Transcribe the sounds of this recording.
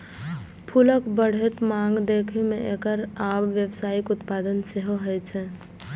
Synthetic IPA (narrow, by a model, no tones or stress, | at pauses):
pʰʊləkbəɽ̤et̪mãːŋɡd̪eːkʰemẽʔekəɾaːbʋjəbsaːɪkʊt̪paːd̪ənseɦoɦɛjt͡ʃʰɛ̃